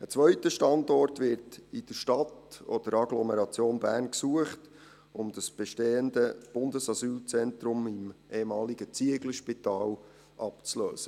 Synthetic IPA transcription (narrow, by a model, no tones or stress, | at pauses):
ət͡sʋœʏtəʃtɑndɔrtʋɪɾtɪd̥əɾʃtɑtɔd̥əɾɑɡlɔmɛɾɑt͡sjoːnbæːrnksuəχt | ʊmd̥ɑsb̥ɛʃteːəndəb̥ʊndəsɑsyːlt͡sɛntɾʊmɪmʔeːmɑːliɡət͡siəɡləʃpitɑːl | ʔɑpt͡slø̰ːsə